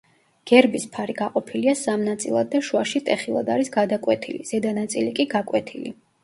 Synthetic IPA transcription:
ɡ̥ɛɾbispʰaɾiɡaqʼɔpʰiliasamnat̪sʼilˠa̰d̪̚ːaʃuaʃit̪ʼɛχilˠa̰d̪aɾisɡad̪akʼwɛt̪ʰilḭz̥ɛd̪anat̪sʼilikʼiɡakʼwɛt̪ʰilḭ

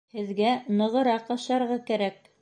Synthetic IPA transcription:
hɘ̆ðɡænɤ̆ʁɤ̆ɾɑqɑʃɑɾʁɑkæɾæk̚

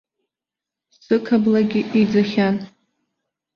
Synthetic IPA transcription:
sɨkʰablaɡʲɪʔid͡zɨχʲan

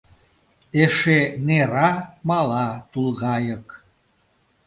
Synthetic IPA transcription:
eʃeneɾɑmɑlɑt̪ulˠɣɑjək

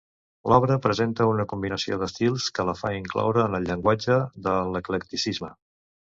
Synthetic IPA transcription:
lʔɔβɾəpɾəzent̪əunəkumbinəsio̰ðəst̪ilˠskələfa̰iŋklɔ̰wɾəːnəlʎːəŋɡwad͡ʒəðələkləkt̪isizmə

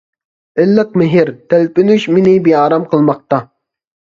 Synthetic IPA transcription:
ɪlːəqmɪɦɪɾt̪ʰælpɪnyʃmɪnɪbiɑːɾɑmqʰəlˠmɑq̚t̪ɑ

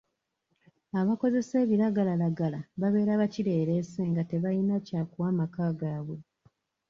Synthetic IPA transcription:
aβako̞ze̞se̞ːβiɾaɡalalaɡalaβaβe̞ːɾaβaciɾe̞ːɾe̞se̞ŋɡate̞βajinacakuwaːmakaːɡaːβwe̞

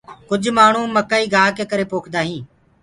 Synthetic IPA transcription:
kʊd͡ʒʱmaːɳ̤ũːməkaːiːɡʱaːkeːkəɾeːpoːkʰd̪aːɦĩː

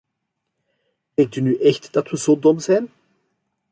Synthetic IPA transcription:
dɛŋk̚tynyʔɛxtd̥ɑtʋəzoːdɔmzɛjn

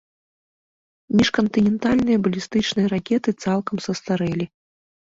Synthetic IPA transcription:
mʲiʂkɐnt̪ɨnʲɛnt̪alʲnɨjɐbɐlʲist̪ɨt͡ʂnɨjɐɾakʲɛt̪ɨt̪salˠkɐmsɐst̪aɾɛlʲi

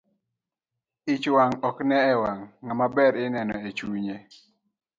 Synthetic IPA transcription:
ɪt͡ʃwaŋɔknɛɛwaŋːamabɛɾɪnɛnɔ̰et͡ʃuɲe

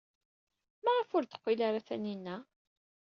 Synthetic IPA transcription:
mæʁəfʊɾθə̥qːilaɾaθæninːæ

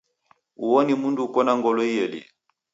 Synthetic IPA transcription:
uwɔnimunduːkɔnaŋɡɔlɔijɛlḭ

